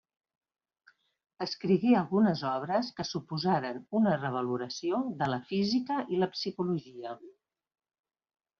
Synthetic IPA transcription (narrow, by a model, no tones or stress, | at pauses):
əskɾiɣiəlˠɣunəzɔβ̞ɾəskəsupuzaɾənunərəβ̞əluɾəsioðələfizikəʔiləpsikuluʒiə